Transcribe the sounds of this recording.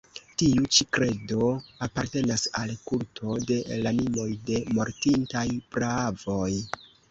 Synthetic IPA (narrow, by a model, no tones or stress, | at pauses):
tiut͡ʃikɾe̞do̞apaɾte̞nasalkultʰo̞de̞lanimo̞jde̞mo̞ɾtintajpɾaav̥o̞j